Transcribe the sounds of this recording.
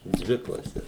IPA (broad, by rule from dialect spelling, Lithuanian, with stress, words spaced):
ˈdʲʋʲɪ klˠɐˈsʲɛs